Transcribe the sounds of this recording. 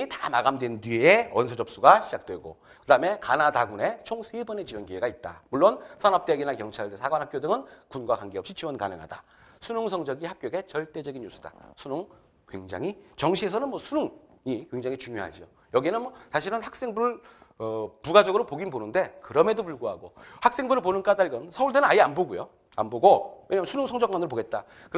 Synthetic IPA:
itamaɡamdwendɥieewʌnsʰʌd͡ʑʌp̚s͈uɡaɕʰid͡ʑak̚t͈we̞ɡo̰ | kɯdaɯme̞kanadaɡune̞t͡ɕʰoŋsʰebʌne̞t͡ɕiwʌnkiweɡait̚t͈a̰muɭːonsʰanʌp̚t͈eɡinakjʌŋt͡ɕʰaɭdesʰaɡwanhapk͈jodɯŋɯnkunɡwakwanɡeʌpɕ͈it͡ɕiwʌnka̰nɯŋɦa̰da̰ | sʰunoŋsʰʌŋd͡ʑʌɡihap̚k͈joɡe̞t͡ɕʌɭt͈e̞d͡ʑʌɡinjus͈ʰɯd̥a̰sʰunoŋ | kwe̞̰ŋd͡ʑa̰ŋit͡ɕʌŋɕʰie̞s̬ʰʌnɯnmwʌsʰunuŋ | ikwe̞ŋd͡ʑaŋit͡ɕuŋjoɦa̰d͡ʑio | jʌɡienɯnmsʰaɕ̬ʰiɾɯnhak̚s͈e̞ŋbuɾɯɭʌpuɡad͡ʑʌɡɯɾopoɡinbonɯnde̞kɯɾʌme̞dopuɭɡoɦa̰ɡohak̚s͈e̞ŋbuɾɯɭponɯnk͈adaɭɡʌnsʰʌuɭdenɯnajianboɡujo̰ | a̰nboɡoweɲaːmɯnsʰunuŋsʰʌŋd͡ʑʌk̚manɯɾopoɡe̞t̚t͈a | kɯɾ

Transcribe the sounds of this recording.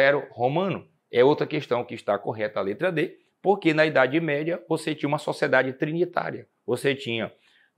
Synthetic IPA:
ɛɾʊhomɐ̃nʊ | ɛowt̪ɾɐkeʃt̪ɐ̃w̃kɪiʃt̪akoɦɛt̪ɐalet̪ɾɐd̪e | poɾkenɐid̪ad͡ʒɪmɛd͡ʒɐvoset͡ʃĩɲɐũmɐsosied̪ad͡ʒɪt̪ɾĩnit̪a̰ɾjɐ | voset͡ʃĩɲɐ

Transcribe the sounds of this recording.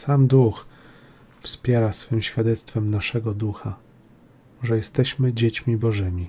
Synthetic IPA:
samd̪ux | fspʲjɛɾasfɘmɕfʲjad̪ɛt̪st̪fɛmnaʂɛɡɔd̪uxa | ʐɛjɛst̪ɛɕmɘd͡ʑet͡ɕmʲibɔʐɘmʲi

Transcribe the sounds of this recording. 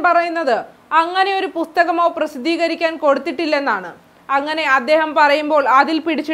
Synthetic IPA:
pɐrɐjunːɐðɨ | ɐŋːɐne̞o̞ɾupust̪ɐɣɐmo̞ːprɐsid̪ʱːiːɣɐɾikʲːaːnko̞ɽut̪ːiʈːilːe̞nːaːɳɨ | ɐŋːɐne̞ɐd̪ːe̞ːɦɐmpɐrɐjumbo̞ːɭɐðilpiɽit͡ɕːi

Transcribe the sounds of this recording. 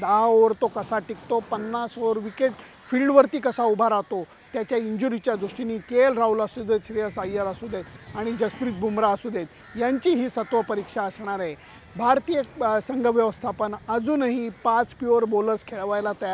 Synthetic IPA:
d̪aɦaoʋəɾt̪okəsaʈikt̪opənːasoɾʋikeʈ̚ | filɖʋəɾt̪iːkəsaubʱaɾat̪o | t̪jat͡ɕjaiɲd͡ʑuɾit͡ɕjad̪ɾuʂʈiniːkelɾaulasud̪et̪sɾijəsajəɾasud̪et̪aɽ̃id͡ʑəspɾiːt̪̚bʱumɾaəsud̪et̪ | jaɲt͡ɕiɦiːsət̪ʋəpəɾikʂaəsɳ̃aɾe | bʱaɾt̪ijəsəŋɡʱəʋjəʋəst̪ʰapəɳəd͡zuːnaɦipãt͡spjuɾboləɾskʰeɭʋajlat̪ja

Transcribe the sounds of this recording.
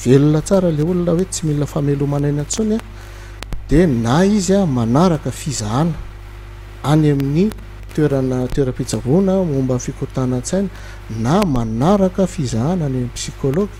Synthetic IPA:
v̥elunət͡saɾəleulunəwet͡similəfamelumanajnat͡suna | d̪̥enaizamanaɾakəfizaanə̥ | anamini | t̪eɾanət̪weɾəpid͡zavunəmumbamfikut̪anat͡sajnə̥ | namanaɾakəfizaananeminipsikoloɡ̥

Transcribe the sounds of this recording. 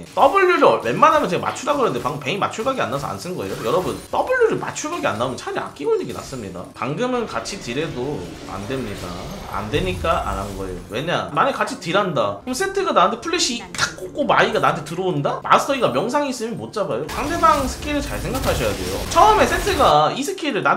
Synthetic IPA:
et͈ʌbɯɭːuɾɯwe̞nmanɦamjʌnt͡ɕeɡama̰t͡ɕʰuɾaɡɯanɯndepaŋɡɯmpeŋima̰t͡ɕʰuɭɡaɡia̰nːas̬ʰʌ̰a̰ns͈ʰɯnɡʌe̞̰jojʌɾʌbɯnt͈ʌbɯɭːuɾɯma̰t͡ɕʰuɭɡaɡia̰nːamʌnt͡ɕʰaɾia̰k͈iboɲiɡina̰s͈ɯmɲida̰paŋɡɯmɯnkat͡ɕʰitɯɾe̞do | a̰ndwe̞mɲida̰a̰ndwe̞ɲik͈aʔa̰ɾannɡʌe̞jowe̞ɲamaɲekat͡ɕʰitɯɾandakɯmsʰetʰɯɡanaɯntʰe̞pʰuɭːiɕ͈ʰit͈ak̚k͈ok͈omaiɡanaɯntʰetɯɾʌondama̰stʰʌiɡamjʌŋs̬ʰaŋis͈ɯmjʌnmot̚t͡ɕ͈abajosaŋde̞baŋsʰɯ̥kʰiɾɯɭt͡ɕaɭsʰeŋɡakʰaɕʰʌjade̞̰jo̰t͡ɕʰʌɯme̞sʰentʰɯɡaisʰɯ̥kʰiɾɯɭna

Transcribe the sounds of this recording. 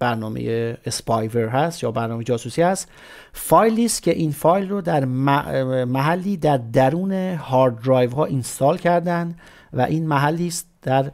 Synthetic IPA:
b̥æɾnɒːmḛjeespɒjveɾɦæst̪jɒːbæɾnɒːmed͡ʒɒːsuːsiːhæst̪ | fɒːjliːst̪cʰʲe̞ʔiːnfɒːjlrod̪æɾ | mæɦælːiːd̪æɾd̪æɾuːne̞hɒːɾd̪ɾɒːjvɦɒːʔinst̪ɒːlcʰæɾd̪ænd̪ | væ̰ʔiːnmæɦælːiːst̪d̪̥æɾ

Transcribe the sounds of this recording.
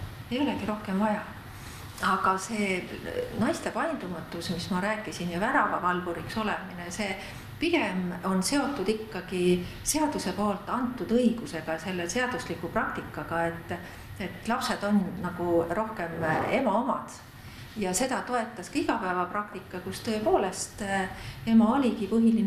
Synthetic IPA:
ejo̞leɡ̥iɾo̞hke̞mvɑjɑ | ɑɡ̥ɑse̞ːnɑjst̪e̞pɑjnd̪̥umɑt̪ːˑusmismɑɾæːkːˑisinjɑvæɾɑvɑvɑlvuɾikso̞lemine̞se̞ː | piɡemo̞nse̞o̞t̪ːˑud̪̥ikːɑɡ̥ise̞ɑd̪use̞po̞ːlt̪ːˑɑnt̪ːˑud̪̥ɤjɡ̥use̞ɡ̥ɑse̞lːese̞ɑd̪̥uslikːˑuprɑk̚t̪ikːˑɑɡ̥ɑe̞t̪ː | et̪lɑpse̞d̪̥o̞nnɑɡ̥uro̞hke̞me̞mɑomɑ̰d̪̥ | jɑse̞d̪ɑt̪o̞e̞t̪ːˑɑskɑiɡɑpæevɑprɑkt̪ikˑːɑkust̪ɤepo̞ːle̞st̪e̞mɑo̞lʲiɡipɤɦilin

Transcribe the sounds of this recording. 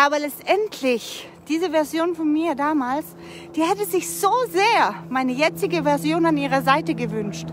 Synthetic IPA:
ʔaːbɐlɛt͡stʔɛntʰlɪç | d̥iːzəvɛɐzjoːnfɔnmiːɐdaːmaːls | d̥iːhɛtəzɪçz̥oːzeːɐmaɪnəjɛt͡sɪɡəvɛɐzjoːnaniːʁɐzaɪtəɡəvʏnʃt

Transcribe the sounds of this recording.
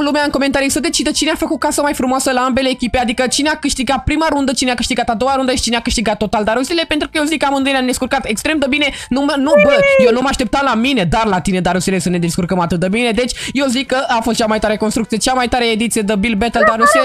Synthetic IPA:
lumeaɨŋko̞me̞nt̪aɾisəd̪et͡ʃid̪ət͡ʃineafəkut̪̚kasəmajfɾumoasəlaambe̞le̞ːkʲipead̪ikət͡ʃineakɨʃt̪iɡat̪̚pɾimaɾund̪ət͡ʃineakɨʃt̪iɡat̪ad̪o̞waɾund̪əjeʃt͡ʃineakɨʃt̪iɡat̪ːo̞t̪ald̪aɾusile̞pe̞nt̪ɾukəjezikːəamɨnd̪ɨjnʲamd̪eskurkat̪ekst̪ɾe̞md̪əbine̞ | numənubəjewnumaʃt̪e̞p̚t̪amlamine̞d̪arlat̪ine̞d̪aɾusile̞səne̞d̪e̞skurkəmat̪ɨt̪̚d̪əbine̞d̪e̞t͡ʃʲjezikːəʔafost̪t͡ʃamajt̪aɾekonst̪ɾukt̪ijet͡ʃamajt̪aɾeed̪it̪sije̞d̪əbilbet̪əld̪aɾusile

